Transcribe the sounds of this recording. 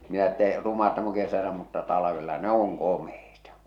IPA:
minæ ĕtːæ rumɑ tæm oŋ kesælæ mutːɑ tɑlɑʋelːɑ ne oŋ komeitɑ

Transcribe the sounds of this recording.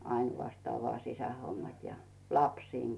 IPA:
ɑinw̆ɑstɑː ʋŏɑˑ sisæhomːɑt jɑ lɑpsiːŋ

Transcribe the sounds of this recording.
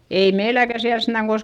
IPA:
ei meilækæ siæl sentæ

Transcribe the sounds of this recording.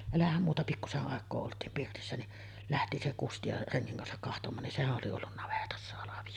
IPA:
elæhæm muːtɑ pikːuseʔ ʔɑˑekˑoː oltˑiːm pirtisːæ ni læhti se kusti jɑ reŋːiŋ kɑnsɑk kɑhtomˑɑːn nin sehæʔ ʔoli olːun nɑʋetɑsːɑ hɑlɑʋij̆o

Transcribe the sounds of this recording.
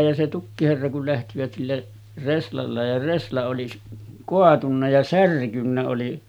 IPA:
jɑ se tukːiherːɑ kul læhtiʋæt silːæ reslɑlːɑ jɑ reslɑ oli s koɑtunːɑ jɑ særkynːæ oli

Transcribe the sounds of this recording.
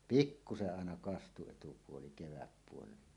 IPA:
pikːuseʔ ʔɑˑenɑ kɑstu etupuoli keʋæpːuoleilɑ

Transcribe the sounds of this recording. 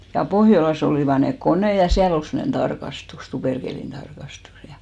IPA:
jɑ pohjolɑs oliˑʋɑ nek koneˑ jɑ siæl ol semːŏnen tɑrkɑstus tuperkeˑlin tɑrkɑstus jɑ

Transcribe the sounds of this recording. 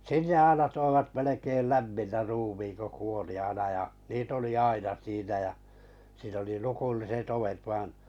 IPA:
sinːe ɑinɑ toiʋɑt melekeil læmːinːæ ruːmiːŋ ko kuoli ɑinɑ jɑ niːt oli ɑinɑ siːnæ jɑ siːn oli lukulːiset oʋet ʋɑĭn

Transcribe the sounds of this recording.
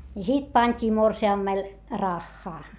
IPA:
jɑ sit pɑnʲtʲiː morsiɑmːel rɑxːɑː

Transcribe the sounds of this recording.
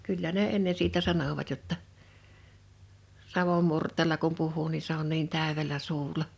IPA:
kylːæ ne enːe siːtæ sɑnoʋɑt jotːɑ sɑʋom murtˑeːlɑ kum puhˑuː ni se on niːn tæˑøʋelˑæ suːlˑɑ

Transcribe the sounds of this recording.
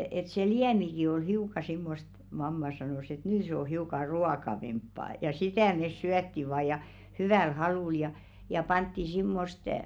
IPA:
et se liæmiki oi hiukˑɑ simːost mɑmːɑ sɑnos et nyː se o hiukɑ ruɑkɑʋempːɑː jɑ sitæˑ mes syætːi ʋɑː jɑ hyʋæˑl hɑluˑl jɑ jɑ pɑntːi simːost

